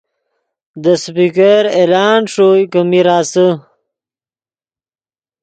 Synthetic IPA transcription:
d̪əspikeɾelaːnʂojkəmiɾaːsə

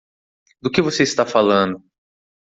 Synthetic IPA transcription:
d̪ʊkɪvoseist̪afalɐ̃nd̪ʊ

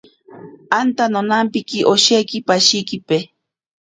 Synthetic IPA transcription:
ant̪anonampikiʔoʃejkipaʃijkipe

